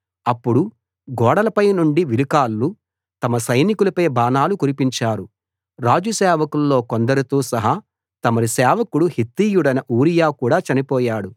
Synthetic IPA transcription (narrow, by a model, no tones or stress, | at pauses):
ɐpːuɽu | ɡɔːɽɐlɐpɐjnuɳɖiʋilikaːlːu | t̪ɐmɐsɐjnikulɐpɐjbaːnaːlukuɾipiɲt͡ʃaːɾu | ɾaːd͡ʒusɛːʋɐkulːo̞ːkond̪ɐɾut̪uːsɐɦa | t̪ɐmɐɾisɛːʋɐkuɽuhit̪ːiːjuɽɐnɐʔuːɾijaːkuːɽaːt͡ʃɐnipɔːjaːɽu